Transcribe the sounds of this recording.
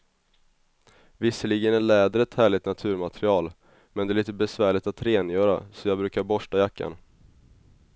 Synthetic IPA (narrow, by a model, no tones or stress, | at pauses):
vɪsːəliɡənæɭɛːd̪ɾəɛt̪hæːɭɪt̪nat̪ʰʉ̟ːɾmat̪ʰɾɪɑːl | mɛnd̪ɛælɭiːt̪əbɛsvæːɭɪt̪at̪ɾeːnjœːɾa̰sɔjɑːɡbɾʉ̟ːkaɾbɔʂʈajakːa̰n